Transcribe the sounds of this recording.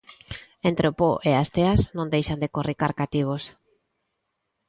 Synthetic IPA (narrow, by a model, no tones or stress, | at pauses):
ẽnt̪ɾeopoʔeast̪eaznõnd̪ejʃand̪ekorikaɾkat̪iβ̞os